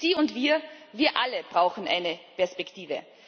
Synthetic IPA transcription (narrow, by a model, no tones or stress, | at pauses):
z̥iːʊntv̥iːɐviːɐʔaləb̥ʁaʊxn̩ʔa̰ɪnəpɛɐspɛktʰiːvə̰